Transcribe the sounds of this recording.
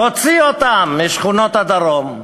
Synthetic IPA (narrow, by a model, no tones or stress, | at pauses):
ot͡siot̪amːiʃχunot̪ad̪aɾom